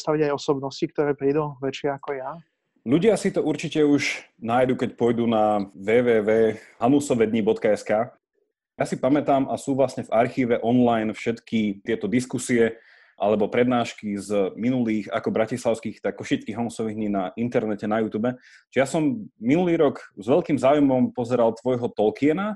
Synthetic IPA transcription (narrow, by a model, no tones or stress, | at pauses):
st̪aʋiɟajɔsɔbnɔscik̚t̪ɔɾɛːpɾiːd̪uʋɛt͡ʃɪɛakɔja | ʎuɟɪasit̪ɔʔuɾt͡ʃicɛuʒnaːjd̪ukɛc̚pɔjd̪unaʋɛːʋɛːʋɛːɦanusɔʋɛd̪ɲibɔt̪kaɛskaː | jasipamɛt̪aːmʔasuːʋlasɲɛvaɾxiːʋɛʔɔnlajnfʃɛt̪kit̪ɪɛt̪ɔd̪iskusiɛ | ʔa̰lɛbɔpɾɛd̪naːʃkizminuliːxa̰kɔbɾacislˠaʊskiːxt̪akːɔʃit͡ʃkiɦanusɔʋiɣd̪ɲinaʔint̪ɛɾnɛcɛnajuːt̪uːbɛ | t͡ʃɛjasɔmːinuliːɾɔɡzʋɛʎkiːmzaːujmɔmpɔzɛɾalt̪ʋɔjɦɔt̪ɔlkiɛna